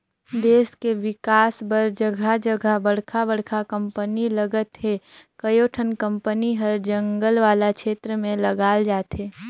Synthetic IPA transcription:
d̪eːskeʋɪkaːsbəɾd͡ʒəɡʱad͡ʒəɡʱəbəɽ̤kʰabəɽ̤kʰakə̃mpəniləɡət̪ɦekəjoːʈʰənkə̃mpəniɦəɾd͡ʒə̃ŋɡəlʋaːlakʃeːt̪ɾəmẽlɐɡaːld͡ʒaːt̪eː

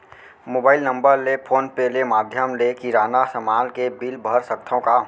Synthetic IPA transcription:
moːbaːɪlnə̃mbəɾlepʰoːnpelemaːd̪ʱjəmlekiɾaːnasəmaːlkebɪlbʱəɾsək̚t̪ʰõka

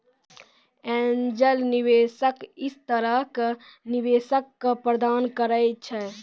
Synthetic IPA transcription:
ɛ̃ːnd͡ʒəlniʋeːsəkɪst̪əɾəɦkniʋeːsəkːapɾəd̪aːnkəɾəjt͡ʃʰɛ

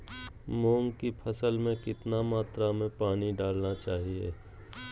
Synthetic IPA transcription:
mõːŋɡkipʰəsəlmẽkɪt̪namaːt̪ɾamẽpaːniɖaːlnat͡ʃaːɦiḛː

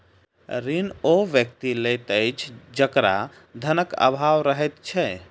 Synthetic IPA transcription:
ɾinoʋjək̚t̪ilet̪əjt͡ʃʰd͡ʒəkɾa̰ | d̪ʱənəkə̰bʱawɾəɦɛt̪t͡ʃʰɛ

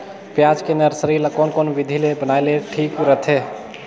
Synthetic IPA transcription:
pjad͡ʒkenəɾsəɾilakonkonʋid̪ʱilebənajleʈʰikɾət̪ʰe

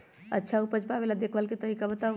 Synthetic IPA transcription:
ə̰tːʃʰaupəd͡ʒpabelad̪ekʰʋəlket̪əɦikabət̪a

